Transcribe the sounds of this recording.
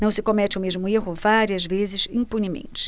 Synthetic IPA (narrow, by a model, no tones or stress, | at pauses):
nɐ̃w̃sɪkomɛt͡ʃɪʊmeʒmʊeɦʊvaɾiɐzvezɪʃĩpunimḛ̃nt͡ʃɪ̥